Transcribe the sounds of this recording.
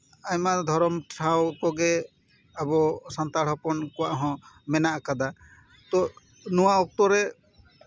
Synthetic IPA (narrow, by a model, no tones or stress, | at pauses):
ajmad̪ʱɔɾɔmtʰɾawkɔɡɛ | abɔsant̪aɽɔpɔnkɔwaʔɦɔ̃mɛnaʔakad̪a | t̪ɔ | nɔwaɔk̚t̪ɔɾɛ